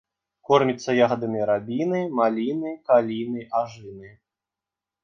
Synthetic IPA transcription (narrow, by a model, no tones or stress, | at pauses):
kɔrmʲit̪sːɐjaɣɐd̪ɐmʲiɾabʲinɨmalʲinɨkalʲinɨaʐɨnɨ